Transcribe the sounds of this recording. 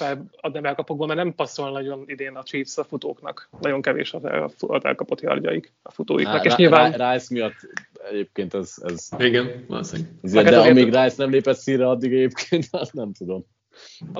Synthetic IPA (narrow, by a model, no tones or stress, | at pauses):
fɛlɒd̪nɛmɛlkɒpoɡ̚boːmɛrnɛmpɒsolnɒɟo̞nid̪eːnɒt̪riːpsɒfut̪oːknɒ̰knɒɟo̞ŋkɛvḛːʃɒt̪ɛ̰fɒt̪ɛ̰lkɒpot̪jɒ̰rɟɒ̰jik | ɒfut̪o̰ːjḭnɒkeːʃɲilvaːnrajsmijɒt̪ːɛɟeːp̚keːnt̪ɛzɛ̰ziɡɛnvɒ̰lo̰sḛnzedɛɛemiːɡraːjsnɛmleːpɛt̪siːrːɛɒd̪ːiɡɛɟeːp̚kʰeːnt̪anɛmt̪ud̪o̞m